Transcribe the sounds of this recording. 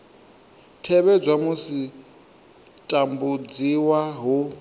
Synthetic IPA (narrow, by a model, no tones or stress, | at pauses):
tʰɛβɛd͡zwamusi | tʼambud͡ziwaɦu